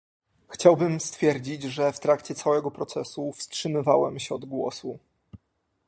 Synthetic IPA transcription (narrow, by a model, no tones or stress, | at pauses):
xt͡ɕawbɘmst̪fʲjɛɾd͡ʑid͡ʑʐɛft̪ɾakt͡ɕɛt̪sawɛɡɔpɾɔt̪sɛsufstʂɘmɘvawɛmɕɛɔd̪ɡwɔ̰su